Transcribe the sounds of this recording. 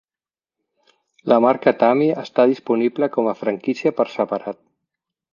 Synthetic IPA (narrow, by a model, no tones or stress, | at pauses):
ləmaɾkət̪amiəst̪aðispunibləkɔməfɾəŋkisiəpəɾsəpaɾat̪̚